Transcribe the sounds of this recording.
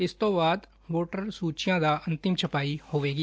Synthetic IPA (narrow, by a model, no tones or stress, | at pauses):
ɪst̪õːbaːd̪ | ʋoːʈəɾsuːt͡ʃɪjãːd̪aːə̃nt̪ɪmt͡ʃʰəpaːihoːʋeːɡiː